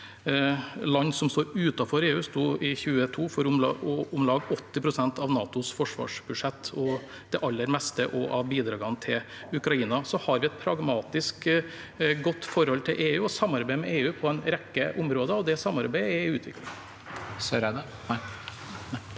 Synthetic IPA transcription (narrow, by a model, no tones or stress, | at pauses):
lɑnːsɔmst̪oːɾʉːt̪ɑfɔɾeːʉːst̪uːɪçʉːət̪ʰuːfɔɾʊlɑɔʊmlɑːɡɔt̪ːɪpʰɾʊsɛnt̪ɑʋnɑːt̪ʊsfɔʂʋɑ̰ːʂbʉd̪ʂɛt̪ːɔ | d̪̥ɛʔɑlːəɾmɛst̪əʔɔʔɑʋbiːd̪ɾɑːɡɑnət̪ʰɪl | ʉkɾɑiːnɑsɔhɑɾʋɪɛt̪̚pʰɾɑɡmɑːt̪ɪsk | ɡɔt̪ːfɔɾhɔlt̪ʰɪlʔeːʉːɔsɑmːɑɾbæɪmɛʔeːʉːpʰɔɛnɾɛkːəʔʊmɾoːd̪əɔd̪ɛsɑmːɑɾbæɪɛʉːt̪ʰʋɪ̰klɪŋ | sɾd̪